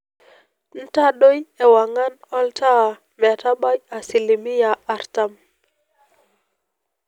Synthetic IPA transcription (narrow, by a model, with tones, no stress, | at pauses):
n̩˦ta˦ɗo˦jɛ˨wa˨ŋa˦nɔ˦ltʰa˦˨ | m˨a˨ta˦ɓa˦ja˨si˨li˨mi˦jaː˨˦˨ɾta˦m